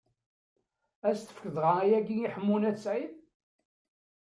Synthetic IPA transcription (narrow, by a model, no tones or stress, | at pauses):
æst̪ə̥fkəðʁɑæjæɡiiħəmːunæsʕin